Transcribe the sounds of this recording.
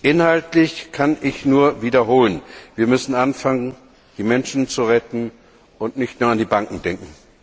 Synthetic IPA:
ʔɪnhaltlɪçkʰanɪçnuːɐviːdɐɦoːlənviːɐmʏsn̩ʔanfaŋən | d̥iːmɛnʃn̩t͡suʁɛtn̩ | ʊntnɪçtnuːɐandiːbaŋkŋ̩dɛŋkŋ̩

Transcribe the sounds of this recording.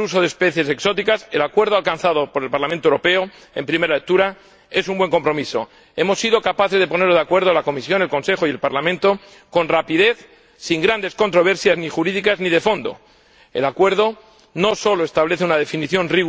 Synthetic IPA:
uso̞ð̞espe̞θje̞se̞kso̞t̪ikase̞lakwe̞ɾðoalkanθað̞o̞po̞ɾelpaɾlamẽnt̪owɾo̞pe̞o | e̞mpɾime̞ɾalek̚t̪uɾa | e̞sumbwe̞ŋko̞mpɾo̞miso̞̰ | e̞mo̞sːiðo̞kapaθe̞zðe̞po̞neɾðakwe̞ɾð̞oalako̞misjo̞nelko̞nse̞xo̞ie̞lpaɾlamẽnt̪o̞ | ko̞nrapiðe̞θ | siŋɡɾand̪e̞sko̞nt̪ɾo̞β̞e̞ɾsjaznixuɾiðikazniðe̞fo̞nd̪o̞̰ | elakwe̞ɾð̞o̞ | no̞so̞loe̞st̪aβle̞θeunað̞e̞finiθjo̞nriɣ

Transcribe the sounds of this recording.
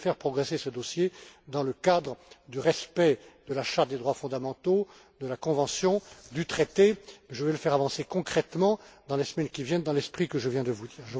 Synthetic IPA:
fɛʁpχɔɡʁesesəd̪ɔsjed̪ɑ̃ləkad̪ʁəd̪yʁɛspɛd̪əlaʃaʁt̪̚d̪ed̪ʁwafɔ̃d̪amɑ̃t̪o | d̪əlakɔ̃vɑ̃sjɔ̃d̪yt̪χɛt̪emɛʒəvɛləfɛʁavɑ̃sekɔ̃kχɛt̪mɑ̃d̪ɑ̃lesmɛnkʲivjɛnd̪ɑ̃lɛspχikəʒəvjɛ̃d̪əvud̪iːʁʒə

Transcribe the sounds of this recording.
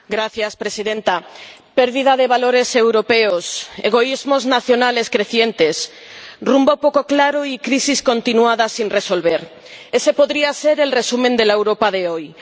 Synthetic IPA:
ɡɾaθjaspɾe̞siðẽ̞nt̪ape̞ɾðið̞að̞e̞β̞alo̞ɾe̞se̞wɾo̞pe̞ose̞ɣ̞o̞izmo̞znaθjo̞nale̞skɾe̞θje̞nt̪e̞s | rumbopo̞ko̞klaɾoikɾisisko̞nt̪inuaðasinre̞so̞lβe̞ɾ | e̞se̞po̞ðɾiase̞ɾe̞lre̞sumẽnd̪e̞laewɾo̞paðe̞o̞j

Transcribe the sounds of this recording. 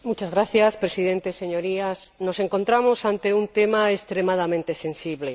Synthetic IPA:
mujt͡ʃazɣɾaθjaspɾesiðent̪eseɲoɾiasnoseŋkont̪ɾamosant̪eunt̪emaest̪ɾemaðamẽnt̪esẽnsiβle

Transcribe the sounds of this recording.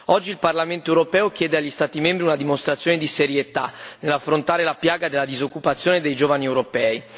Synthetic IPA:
ɔd͡ʒːilparlament̪oewɾopɛːokjɛːd̪eaʎːist̪aːt̪imembɾiunad̪imost̪ɾat̪sːjoːned̪iseɾjet̪a̰nelːafːɾont̪aːɾelapjaːɡad̪elːad̪izokːupat̪sːjoːned̪ejd͡ʒoːvaniewɾopɛːi

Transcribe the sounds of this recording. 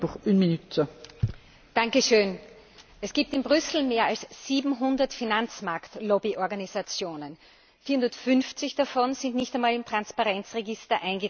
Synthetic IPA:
uχʔynminytə | d̥aŋkəʃøːn | ʔɛsɡ̥iːp̚tɪnbʁʏsl̩meːɐalsz̥iːbm̩ɦʊndɐtfinant͡smaɐktlɔbiʔɔɐɡanizat͡sjoːnən | fiːɐhʊ̃ndɐtfʏnft͡sɪçd̥afɔnzɪ̃ntnɪçtæɛɪnmaːlɪmtʁ̥anspaʁɛnt͡sʁeɡɪstɐʔãɪnɡə

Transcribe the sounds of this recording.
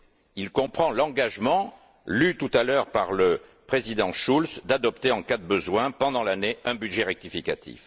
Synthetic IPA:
ilkɔ̃pχɑ̃lɑ̃ɡaʒmɑ̃ | lyt̪ut̪alœʁpaʁləpχezid̪ɑ̃ʃulsd̪ad̪ɔpt̪eɑ̃kad̪əbəzwɛ̃pɑ̃d̪ɑ̃laneɛ̃byd̪ʒeʁɛk̚t̪ifikat̪ʰḭf

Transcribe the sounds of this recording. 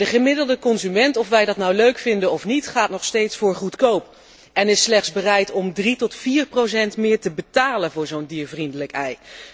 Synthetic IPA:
dəχəmɪdəlˠdəkɔnzymɛntɔfʋɛjdɑtnawløɥkfɪndənɔfnitχaːtnɔχstejtsfʊːɹχutkowp | ɛnɪslɛχtzbərɛjtɔmdritɔtfiːɹprows̬ɛntmɪːɹtəbətaːlənvʊːɹzowndiːɹvrindələkɛj

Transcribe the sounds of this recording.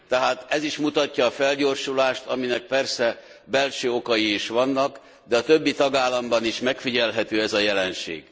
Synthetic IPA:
t̪ɛɦaːt̪ɛziʃmut̪ɒcːɒːfɛlɟo̞ːrʃulaːʃt̪ɒminɛk̚pɛrsɛ | bɛlʃøːo̞kɒjiːʃʋɒnːɒk | d̪ɛɒt̪øbːit̪ɒɡaːlːɒmbɒniʃmɛkfiɟɛlɦɛt̪øːɛzɒjɛlɛnʃḛːɡ̥

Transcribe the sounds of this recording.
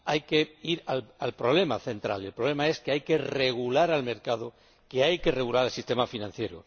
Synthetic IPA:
ajke̞iɾalalpɾo̞β̞le̞maθe̞nt̪ɾa̰le̞lpɾo̞βle̞mae̞skeajke̞reɣ̞ulaɾalme̞ɾkaðo | keajke̞re̞ɣulaɾalsist̪e̞mafinãn̟θje̞ɾo̰

